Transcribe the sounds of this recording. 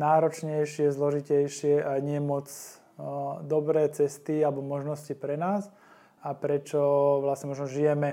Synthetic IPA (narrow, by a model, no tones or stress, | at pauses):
naːɾɔt͡ʃɲɛjʃɪɛzlɔʒicɛjʃɪɛʔaɲɪɛmɔd͡z | d̪ɔbɾɛːt͡sɛst̪ialɛbɔmɔʒnɔscipɾɛnaːs | apɾɛt͡ʃɔʋlasɲɛmɔʒnɔʒijɛmɛ